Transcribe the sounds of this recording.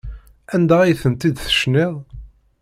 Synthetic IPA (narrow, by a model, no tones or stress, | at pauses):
ænd̪æijθəmt̪id̪θə̥ʃneðˤ